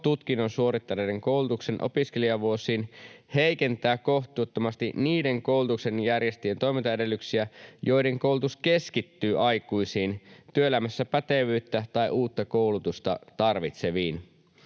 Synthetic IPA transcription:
t̪ut̪k̟inːo̞nsuo̞ɾit̪ːɑnedeŋko̞wlut̪ukse̞nʔo̞̰piske̞lijɑʋuosiːnhe̞jke̞nt̪æːko̞ht̪ˑuːt̪ːomɑst̪ḭniːde̞ŋko̞ulut̪ukse̞njærje̞st̪ijent̪o̞jment̪ɑjede̞lːyksiæjo̞jde̞ŋko̞uwlut̪uske̞skit̪ːyːʔɑjkuisiːnt̪yøelæmæsːæpæt̪eʋyːt̪ːæt̪ɑjʔuːt̪ːɑkowlut̪ust̪ɑ̰t̪ɑrʋit̪se̞ʋiːn

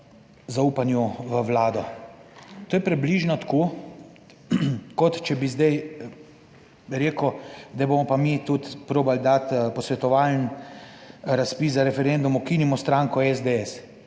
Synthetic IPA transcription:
zauːpanjuʋəʋlaːd̪ɔ | t̪oːjɛpɾɛbliːʒnɔt̪akoː | kɔt̪t͡ʃɛbizd̪aj | ɾeːkʊd̪abomɔpamit̪ut̪pɾoːbald̪at̪pɔsʋɛt̪ɔʋaln | ɾaspiszaɾɛfɛɾend̪umɔkiːnimɔst̪ɾaːŋkɔɛzd̪eɛs

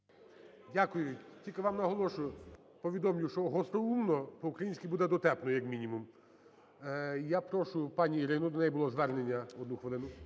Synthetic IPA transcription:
dʲakʊjʊtʲilʲkɪʋɑmnɐɦɔlˠɔʃʊjʊ | pɔʋʲid̪ɔmlʲʊʃt͡ʃɔɦɔst̪ɔumnɔpɔukɾɐjinʲsʲkʲibud̪ɛd̪ɔt̪ɛpnɔjɐkmʲinʲimum | japɾɔʃʊpɑnʲiːɾɪnʊd̪ɔnɛjbʊlˠɔzʋɛrnenʲːɐɔd̪nuxʋelˠɪnʊ

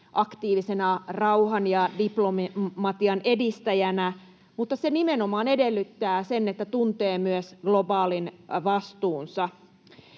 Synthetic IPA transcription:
ʔɑkt̪iːʋisenɑrɑuhɑnjɑdiplommɑt̪iɑne̞dist̪æjænæ | mut̪ːɑsenimenomɑːnedelːyt̪ːæːsenːet̪ːæt̪unt̪eːmyøsɡ̥lo̞bɑːlinʋɑst̪uːnsɑ

